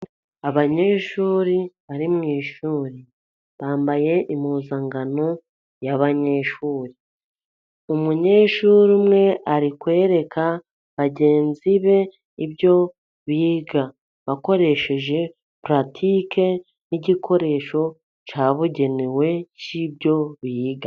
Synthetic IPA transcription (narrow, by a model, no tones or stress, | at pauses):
aβaɲeʃuːɾiβaɾimŋiːʃuːɾi | βaːmbaje̞ʔimuːzaŋɡano̞ | jaβaɲe̞ʃuːɾi | umuɲe̞ːʃuːɾimŋe̞ʔaɾikwe̞ːɾe̞kʰa | βaɟe̞ːnziβe̞ | iβjo̞ | βiːɡa | βako̞ɾe̞ʃe̞ʒe̞ | pɾatʰike̞ | niɟikʰo̞ɾe̞ːʃo̞ | t͡ʃaːβuɟe̞newe̞cibjo̞βiːɡa